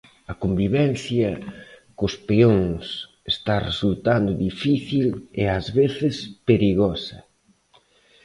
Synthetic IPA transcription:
ɐkombiβɛn̟θjɐkʊspeoŋs | est̪aresult̪and̪ʊðifiθileɐzβeθɪspeɾiɣɔsɐ

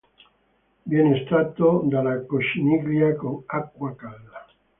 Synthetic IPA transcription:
bjɛnest̪ɾat̪od̪alakoʃiniɡɾjakoŋakːwakalda

